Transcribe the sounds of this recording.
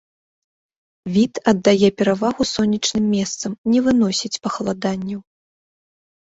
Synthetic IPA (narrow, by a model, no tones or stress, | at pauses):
vʲit̪ɐd̪ːajɛpʲɛɾavaɣusɔnʲːit͡ʂnɨmːʲɛst̪sɐmnʲɛvɨn̪ɔsʲit͡sʲpɐxɐlˠad̪anʲːɐw